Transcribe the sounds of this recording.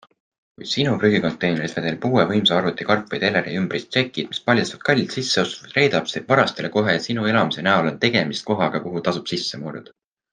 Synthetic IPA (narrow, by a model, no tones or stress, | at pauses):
kujd̪sinupryɡiko̞nt̪ːˑe̞jne̞ɾit̪ed̪elpuːevɤjmsɑɑɾut̪ːˑikɑrpːˑejt̪e̞leɾiymb̥rist̪se̞kːˑid̪̥mi̥spɑlʲjɑsvɑd̪̚kɑlʲːsisːe̞ost̪u̥vɑd̪re̞jd̪̥ɑb̥seb̥vɑɾɑst̪e̞le̞ko̞ɦe̞sinue̞lɑmise̞næolo̞nt̪e̞ɡ̥e̞mist̪̚ko̞ɦɑɡ̥ɑkuɦut̪ɑsub̥sisːe̞muɾṵd̪̥